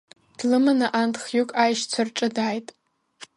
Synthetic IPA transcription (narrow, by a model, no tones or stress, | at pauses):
d̥lɨmanaʔantʰʼχjukʼajʃt͡sʷʰarʈ͡ʂʼɨdaːjtʼ